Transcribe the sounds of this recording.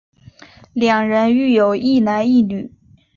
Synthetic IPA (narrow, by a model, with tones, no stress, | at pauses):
ljɑ˨˩ŋɻə˧˥ny˥˩jo˨˩ʊi˥˩na˧˥ni˥˩ny˨˩˦